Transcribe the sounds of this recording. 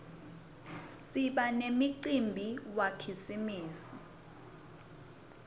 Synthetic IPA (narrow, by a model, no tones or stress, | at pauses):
siɓanemiǀimbʱiwakʰisimiːsi